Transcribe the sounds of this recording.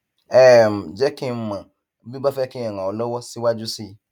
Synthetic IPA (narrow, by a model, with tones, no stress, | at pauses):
ɛ˦˨m̩˨d͡ʒɛ˦kĩ˦m̩˦mã˨˦ | bi˦ba˦fɛ˦kĩ˦ɛ˨ŋã˨ɔ˨lɔ˦wɔ˦si˦wa˦d͡ʒu˦si˦